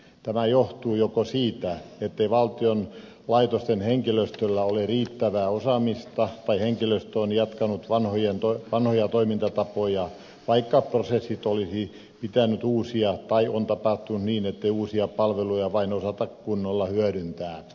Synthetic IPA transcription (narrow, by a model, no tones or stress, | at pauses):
t̪æmæjoht̪uːjokosiːt̪æet̪ːeiʋɑlt̪ion | lɑit̪ost̪enheŋkiløst̪ølːæoleriːt̪ːæʋæːosɑmist̪ɑt̪ɑiheŋkiløst̪onjɑt̪kɑnut̪ʋɑnhojent̪oʋɑnhojɑt̪oimint̪ɑt̪ɑpojɑ | ʋɑikːɑprosesːit̪olisi | pit̪ænyt̪uːsiɑt̪ɑiʔont̪ɑpɑht̪unt̪niːnet̪ːeiuːsiɑpɑlʋelujɑʋɑinosɑt̪ɑkkunːolːɑhyæɾynt̪æː